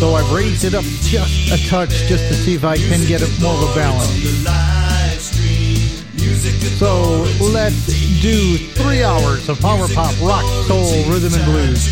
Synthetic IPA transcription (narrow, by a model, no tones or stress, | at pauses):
soʊaɪvɹeɪzdɨɾʌp̚d̥ʒ̥ʌstɨtʰʌt͡ʃd̥ʒ̥ʌstʰɨsiɨfaɪkʰɨ̃nɡɛɾɨt̚mɔɹʌvəbælˠə̃ns | soʊlɛtsd̥ɨθɹiaʊə˞zʌv̥faʊmə˞pʰɑpɹɑkoʊlˠɹʉðɨ̃mɨ̃nblʉz̥